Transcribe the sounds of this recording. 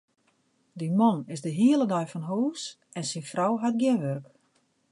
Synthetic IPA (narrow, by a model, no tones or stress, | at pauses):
dimɔnɪzdəɦiəlˠədɔjfɔnɦoːs | ɛnsɪnfrɔwɦat̚ɡjɪnʋørk